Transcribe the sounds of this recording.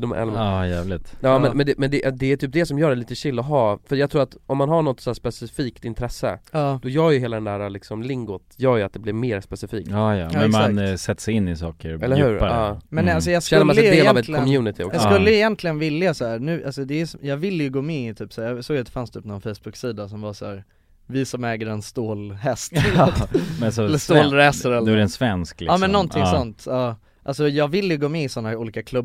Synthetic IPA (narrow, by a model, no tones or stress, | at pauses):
d̪ɔmɛ̰lɑjæːvlɪt̪jɑːmɛnmɛnd̪ɛmɛnd̪ɛʔd̪ɛæt̪ʰyːp̚d̪ɛsɔmjœːɾɛliːt̪əɕɪlːɔɦɑːfœɾjɑːɡt̪ʰɾuːɾat̪ɔmːanɦaɳɔt̪ːsæːspɛsɪfiːkt̪ɪnt̪ʰɾɛsːə̰ɑːd̪ɔjœːɾjɵɦeːlad̪ɛnd̪æːɾalɪksɔmlɪŋɡʊt̪jœːɾjʉat̪̚d̪ɛblɪɾmeːɾspɛsɪfiːk̚tːjɑ̰mɛnmansɛt̪ːsɛɪnːɪsɑːkəɾɛlːɾhʉ̟ːɾpaɑːmɛnals̬ɔjɑːɡsɛɵmlaːədeːlavɛt̪lɪkɡɔmjʉːnɪt̪ʰɪɔjɑskɵlːəjɪjɛnt̪ʰlɪɡənvɪlːjasaæːɾnʉ̟ːʔalsɔd̪ɛːjsjɑːɡvɪlːəjɵɡoːmɛɪt̪ʰyːpsæːɾjɑsoːɡjat̪d̪ɛ̥fanst̪ʰyːpːnɔnfɛjsb̥ɵksiːd̪asɔmvasæ̰ːɾ | vɪsɔmɛːɡəɾɛnst̪oːlhɛst̪ | ɛsɔɛlːəst̪oːlɾɛːsaɾɛld̪aɾɛnsvɛnsklɪɑːmɛnːɔnt̪ʰɪsɔnt̪ɑː | ʔalsɔjɑːɡvɪlːəjɵɡoːmɛɪsɔnːaɾuːliːkakʰlɵbː